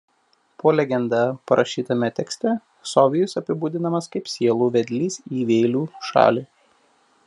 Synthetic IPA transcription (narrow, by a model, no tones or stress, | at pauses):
poːlʲɛɡʲɛnd̪ɑpɐɾʔɐʃʲiːt̪ɐmʲɛt̪ʲɛksʲt̪ʲɛ | sɔʋʲɪjʊsɐpʲɪbuːd̪ʲɪnɐmɐskɐɪpsʲiɛlˠuːʋʲɛd̪ʲlʲiːsiːʋʲɛːlʲuːʃɑ̰ːlʲiː